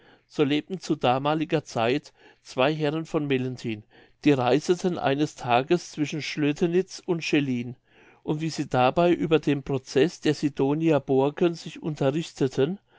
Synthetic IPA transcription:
z̥oːleːp̚tn̩t͡sudaːmaːlɪɡɐt͡saɪt | t͡sv̥aɪɦɛʁənfɔnmɛləntʰiːn | d̥iːʁaɪzətʰənʔa̰ɪnəstʰaːɡəst͡sv̥ɪʃn̩ʃløtʰənɪt͡sʊntʃeliːn | ʔʊntv̥iːziːdabaɪʔyːbɐdeːmpʁ̥ot͡sɛsd̥eːɐzidoːniɐb̥oɐkʰənzɪçʔʊ̰ntʰɐʁɪçtʰətʰən

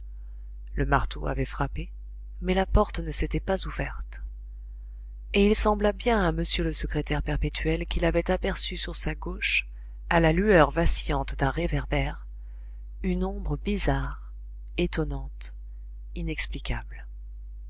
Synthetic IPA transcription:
ləmaʁt̪ʰoa̰vɛfχape | mɛlapɔʁt̪nəset̪ɛpazuvɛʁt̪ | eilsɑ̃blabjɛ̃aməsjøləsəkχet̪ɛʁpɛʁpet̪ʰɥɛlkʲilavɛt̪apɛʁsysyʁsaɡoʃ | alalyœʁvasjɑ̃t̪d̪ɛ̃ʁevɛʁbɛʁ | ynɔ̃bʁəbizaʁ | et̪ɔnɑ̃t̪ | inɛksplikʲabl

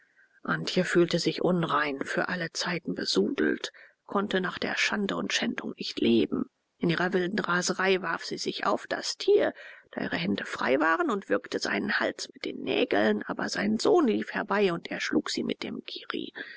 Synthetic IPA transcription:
ʔantçəfyːltəzɪçʔʊnʁaɪnfyːɐʔalət͡saɪtn̩bəz̥uːdl̩t | kʰɔntənaːχd̥ḛːɐʃandəʊntʃɛndʊ̰ŋnɪçtleːbm̩ | ʔɪnʔiːʁɐvɪldn̩ʁaːzəʁaɪvaɐfz̥iːzɪça̰ʊfd̥a̰stʰiːɐd̥aːʔiːʁ̞əhɛndəfʁ̥a̰ɪvaːʁənʊntv̥ɪɐktəza̰ɪnənhalt͡smɪt̚d̥ḛːnːɛ̰ːɡl̩nʔa̰ːbɐ̰zaɪnənz̥oːnliːfhɛɐbaɪʊntʔeːɐʃluːkz̥ḭːmɪ̰t̚d̥ḛːmɡʰiːʁḭː

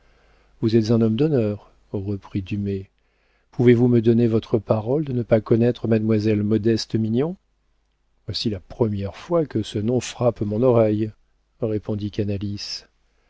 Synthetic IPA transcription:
vuzɛt̪zɛ̃nɔmd̪ɔnœʁ | ʁəpχid̪yme | pʰuvevuməd̪ɔnevɔt̪χəpaʁɔld̪ənəpakɔnɛt̪χəmad̪mwazɛlmɔd̪ɛst̪minjɔ̃ | vwasilapχəmjɛʁfwakəsənɔ̃fχapmɔ̃nɔʁɛj | ʁepɔ̃d̪ikanalis

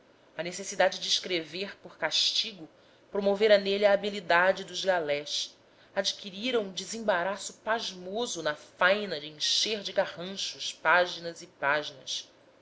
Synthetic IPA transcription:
ɐnesesid̪ad͡ʒɪd͡ʒɪːʃkɾeveɾpoɾkaʃt͡ʃiɡʊ | pɾomoveɾɐneliɐːbilid̪ad͡ʒɪd̪ʊʒɡalɛʃ | ad͡ʒikiɾiɾɐũd͡ʒɪzẽbaɾasʊpaʒmozʊnɐfajnɐd͡ʒɪẽʃeɾd͡ʒɪɡahɐ̃ʃʊʃpaʒinɐzipaʒinɐs

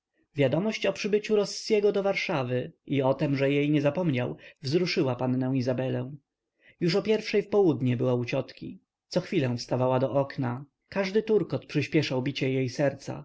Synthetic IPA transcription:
vʲjad̪ɔmɔɕt͡ɕɔpʂɘbɘt͡ɕuɾɔsːjɛɡɔd̪ɔvaɾʂavɘiɔt̪ɛmʐɛjejɲɛzapɔmɲawvzɾuʂɘwapanːɛ̃w̃izabɛlɛ̃w̃ | juʂɔpʲjɛɾfʂɛjfpɔwud̪ɲɛbɘwaut͡ɕɔt̪kʲi | t̪sɔxfʲilɛ̃fst̪avawad̪ɔʔɔkna | kaʐd̪ɘt̪uɾkɔt̪pʂɘɕpʲjɛʂawbʲit͡ɕɛjejsɛɾt̪sa̰

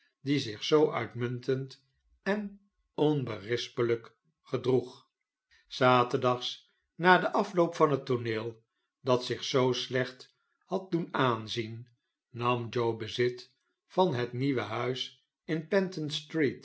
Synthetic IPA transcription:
dizɪχsowʔœ̰ɥtmʏntənt | ɛn | ɔnbərɪspələk | χədruχ | saːtədɑχs | naːdəʔɑflowpfɑnɦətonɪːlˠ | dɑtsɪχsowslɛχt | hɑt̚dunaːnzinː | ɑmd͡ʒowbəzɪt | fɑnɦətniʋəɦœɥs | ɪnpɛntənstrit

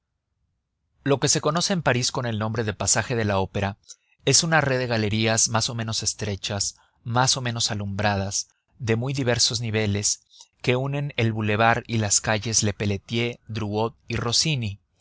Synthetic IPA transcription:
lo̞ke̞se̞ko̞no̞se̞ːmpaɾisko̞ne̞lno̞mbɾe̞ðepasaxe̞ð̞e̞lao̞pe̞ɾa | e̞sunareðe̞ɣ̞ale̞ɾiazmaso̞mẽ̞no̞se̞st̪ɾe̞t͡ʃaz | maso̞mẽ̞no̞salumbɾað̞az̥ | ðe̞mujðiβ̞e̞ɾso̞zniβ̞e̞le̞s | ke̞une̞ne̞lβule̞β̞aɾilaskaʝe̞zle̞pe̞le̞t̪je̞d̪ɾuo̞t̪̚iro̞sini

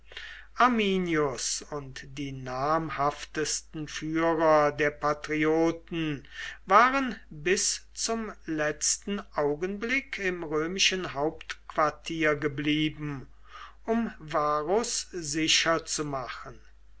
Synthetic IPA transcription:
ʔaɐmiːnjʊsʊntd̥iːnaːmhaftəstn̩fyːʁɐdeːɐpatʁioːtn̩vaːʁənbɪst͡sʊmlɛt͡stn̩aʊɡənblɪkʰɪmʁøːmɪʃənɦaʊptkv̥aɐtʰiːɐɡəbliːbm̩ | ʔʊmvaːʁʊszɪʃɐt͡sumaχən

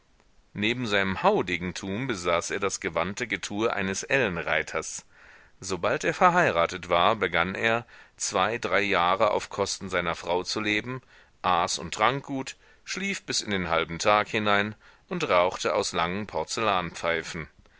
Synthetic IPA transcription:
neːbm̩zaɪnəmhaʊdɪːɡŋ̩tʰuːmbəzaːsʔeːɐdasɡ̥əvantəɡətʰuːɐʔa̰ɪnəsʔɛlnʁaɪtʰɐs | z̥obaltʔeːɐfɛɐɦaɪʁaːtətv̥aːɐbəɡanʔḛːɐt͡sv̥aɪdʁaɪjaːʁəa̰ʊfkʰɔstn̩zaɪnɐfʁ̥aʊt͡suleːbm̩ | ʔaːsʊ̰ntːʁ̥aŋk̚ɡ̥uːt | ʃliːfb̥ɪsɪndeːnɦalbm̩tʰaːkhɪnaɪnʔʊntʁaʊxtəʔa̰ʊslaŋənpʰɔɐt͡səlaːnpp͡faɪfn̩

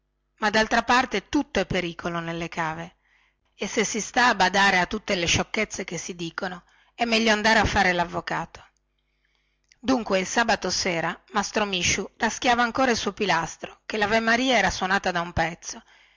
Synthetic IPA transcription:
mad̪alt̪ɾapart̪et̪ut̪ːoɛpːeɾiːkʰolonelːekʰaːve | esːesist̪aːbad̪aːɾeat̪ːut̪ːeleʃokːet̪sːek̟esːid̪iːkono | ɛmːɛʎːoand̪aːɾeafːaːɾelavːokaːt̪o̥ | d̪uŋkweilsaːbat̪osɛːɾamast̪ɾomiʃːurask̟jaːvaːŋkoːɾailsuopilast̪ɾokelavemːaɾiːaɛːɾaswonaːt̪ad̪aumpɛt̪sːo

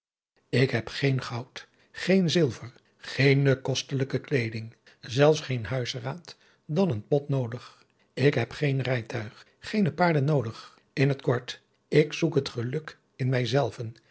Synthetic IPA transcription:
ɪkɦɛpχejnχɑwt | χejnzɪlˠvəɹ | χejnəkɔstələkəklejdɪŋ | zɛlˠfsχejnɦœɥsraːt | dɑnənpɔtnowdəχ | ɪkɦɛpχejnrɛjtʰœɥχ | χejnəpaːɹdənːowdəχ | ɪnɦətkɔɹt | ɪksukɦətχəlɵk | ɪnmɛjzɛlˠvən

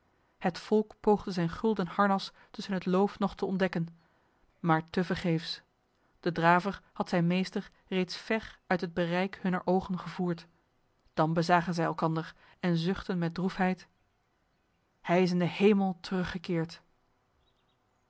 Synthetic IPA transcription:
hətfɔlˠkpowχdəzɛjnχɵlˠdənhɑɹnɑs | tɵsənɦətlowfnɔχtəɔndɛkən | maːɹtəvəɹχejfs | d̥ədraːvəɹhɑtsɛjnmejstəɹ | rejtsfɛɹœɥtɦəd̚bərɛjkhɵnəɹʔowχənχəvuːɹt | d̥ɑnbəzaːχənzɛjɛlˠkɑndəɹ | ɛnzʏχtənmɛt̚drufɦɛjt | hɛjɪs̬ɪndəhejməlˠtərɵχəkɪːɹt

